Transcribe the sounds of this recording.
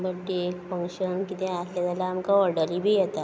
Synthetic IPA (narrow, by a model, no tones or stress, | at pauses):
bəʈːekfəŋkɕənkit̪ẽasljat̪alaːmkaɔɾɽəlibʱijɛt̪a